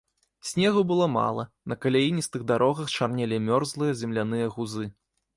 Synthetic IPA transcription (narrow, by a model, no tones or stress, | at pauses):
sʲnʲɛɣɐbɨlˠɔma̰lˠɐ̰ | nɐkɐlʲajinʲist̪ɨɣd̪aɾɔɣɐxt͡ʂarnʲɛlʲimʲɔrzlˠɨjɐzʲɛmlʲanɨjɐɣuzɨ